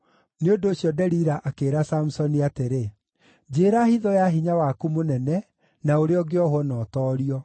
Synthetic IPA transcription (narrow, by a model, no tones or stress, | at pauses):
neondoːɕjɔdɛɾiɾaʔakeːɾasam̩sɔniateɾe | d͡ʑeːɾahiðɔjaɦiɲawakumonɛnɛ | naoɾeɔɡeɔhwɔnɔtɔːɾiɔ